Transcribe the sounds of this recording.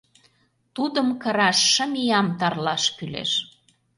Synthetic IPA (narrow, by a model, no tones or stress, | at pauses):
t̪ud̪əmkə̆ɾɑʃːə̆mijɑmt̪ɑrlɑʃkylḛʃ